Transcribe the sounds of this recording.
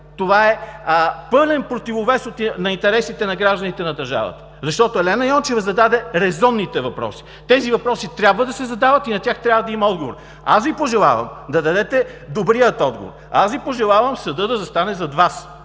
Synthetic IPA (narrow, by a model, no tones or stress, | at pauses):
t̪ovaɛ | pɤlɛnpɾot̪ivovɛsot̪nɐint̪ɛɾɛsit̪ɛnɐɡɾaʒd̪ɐnit̪ɛnɐd̪ɐɾʒa̰və̰t̪ə̥zɐʃt̪ɔt̪oɛlɛnɐjɔnt͡ʃɛvɐzɐd̪ad̪ɛɾɛzɔnːit̪ɛvɐpɾɔ̰si̥ | t̪ɛzivɐpɾɔsit̪ɾʲabvəd̪ɐsɛzɐd̪avɐt̪inɐtʲaxt̪ɾʲjabvɐd̪ɐimɐɔd̪ɡovo̰ɾ | a̰svipoʒɛlˠa̰və̰md̪ɐd̪ɐd̪ɛt̪ɛd̪obɾijət̪ɔd̪̚ɡo̰vo̰ɾa̰svʲipoʒɛlˠavɐmsɐd̪ɤd̪ɐzɐst̪anɛzɐd̪vas